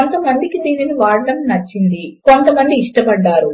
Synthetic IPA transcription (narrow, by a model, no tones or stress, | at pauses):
ont̪ɐmɐnd̪ikid̪iːniniʋaːɾɐɖɐmnɐt͡ʃːind̪iko̞nt̪ɐmɐnd̪iːʂʈɐbɐɖːaːɾu